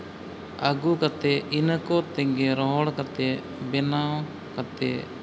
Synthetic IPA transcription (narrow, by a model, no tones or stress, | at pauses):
aɡukat̪ɛinəkɔt̪ɛŋɡɛɾɔɦɔɽkat̪ɛ | bɛnaw | kat̪ɛ̰